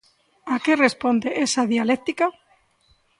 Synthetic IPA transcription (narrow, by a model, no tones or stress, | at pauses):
akerespond̪eʔesaðialek̚t̪ika